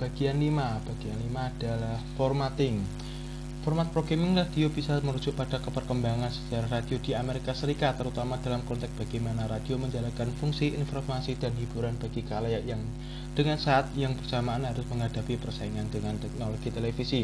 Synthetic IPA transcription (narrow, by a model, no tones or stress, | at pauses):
b̥aɡianlimab̥aɡ̥ianlimaːd̥alahfɔrmat̪ɪŋ | fɔrmat̪̚pɾoɡemɪŋlad̥iobisaməɾud͡ʒʊʔ̚pad̥akəpərkəmbaŋansə̥t͡ʃaɾahradiodiameɾikasəɾikat̪ːəɾut̪amad̥alamkɔnt̪ɛk̚b̥aɡ̥ajmanaɾad̥ioməɲd͡ʒalankanfuŋsiʔḭnfɔrmasidanhibuɾanbaɡikalajaʔjaŋ | d̥əŋansaʔat̪jaŋbərsamaːnɦaɾʊsməŋɦadapipərsaiŋandəŋant̪ɛk̚noloɡ̥it̪elefisi